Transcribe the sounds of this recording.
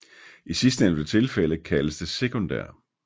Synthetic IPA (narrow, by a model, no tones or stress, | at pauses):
isisd̥əend̥ət͡sʰe̝lfeləkʰæləsd̥əsekʰo̝nd̥æ̰ɐ̰